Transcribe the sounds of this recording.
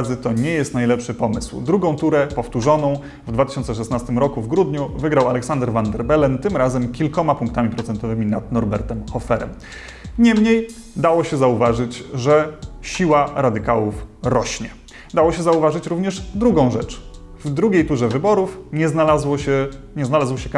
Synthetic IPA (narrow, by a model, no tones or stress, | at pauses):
zɘt̪ɔɲɛjɛst̪najlɛpʂɘpɔmɘ̰swd̪ɾuɡɔ̃w̃t̪uɾɛpɔft̪uʐɔnɔ̃w̃ | vd̪vat̪ɘ̥ɕɔnt̪sɛʂɛsnast̪ɘmɾɔkuvɡɾud̪ɲuvɘɡɾawalɛksand̪ɛɾvand̪ɛɾbɛlɛnt̪ɘmɾazɛmkʲilkɔmapuŋk̚t̪amʲipɾɔt̪sɛnt̪ɔvɘmʲinad̪nɔɾbɛɾt̪ɛmxɔfɛɾɛ̰m | ɲɛmɲej | d̪awɔɕɛzauvaʐɘt͡ɕʐɛɕiwaɾad̪ɘkawufɾɔɕɲɛ | d̪awɔɕɛzauvaʐɘt͡ɕɾuvɲɛʐd̪ɾuɡɔ̃w̃ʐɛt͡ʂ | vd̪ɾuɡʲejt̪uʐɛvɘbɔɾufɲɛznalazwɔɕɛ | ɲɛznalazwɕɛk